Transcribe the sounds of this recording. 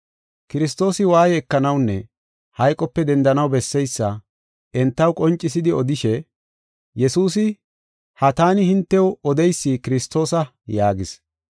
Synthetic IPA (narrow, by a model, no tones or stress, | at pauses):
kɪɾɪst̪o̞ːsɪwaːjɛɛkːɐnɐwnːɛ | hɐjkʼɔpːɛd̪ɛnd̪ɐnɐwbɛsːɛjsːɐ | ɛnt̪ːɐwkʼɔnt͡ʃʼːɪsɪd̪ɪɔd̪ɪʃɛ | jɛsuːsɪ | hɐt̪aːnɪhɪnt̪ːɛwɔd̪ɛjsːikɪɾɪst̪o̞ːsɐ | jaːɡɪs